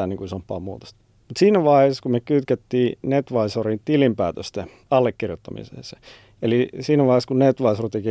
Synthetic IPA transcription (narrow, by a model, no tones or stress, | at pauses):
æniŋkuisompːɑ̰ːmṵːt̪o̥st̪ | mut̪siːnæʋɑheskumekyt̪kæt̪ːiːnet̪ʋɑisorint̪ilimpæːt̪øst̪e | ɑlːekːirjot̪ːɑmḭsḛse | elisiːnæʋɑˑheskunnet̪ʋɑisort̪eki